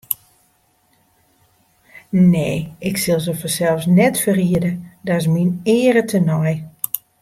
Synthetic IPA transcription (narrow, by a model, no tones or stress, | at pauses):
neːɪksɪlˠzəfɔsɛlˠfsnɛtfəriədədɔs̬minɪːəɾətʰənɔj